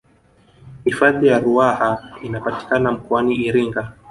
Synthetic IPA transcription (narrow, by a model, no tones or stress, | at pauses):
hifaðijaɾuahainapati̥kanam̩kɔaniːɾiŋɡa